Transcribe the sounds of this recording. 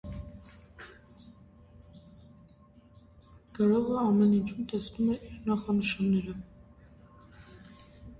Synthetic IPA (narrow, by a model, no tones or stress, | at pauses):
kɑɾɔʁɛɑmɛnint͡ʃʰumt̪ɛsnumɛʔiɾnɑχɑnəʃɑnːɛɾə